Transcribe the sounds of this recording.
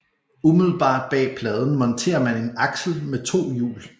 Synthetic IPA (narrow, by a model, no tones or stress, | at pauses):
umið̞ˠl̩ˠb̥ɑ̰̈ːd̥̚b̥ɛ̰ːpʰlɛːð̞ˠn̩mɒ̽nt͡sʰe̝̰ːɐmæne̝nɑ̈ɡ̥sl̩met͡sʰo̝̰ːjṵːl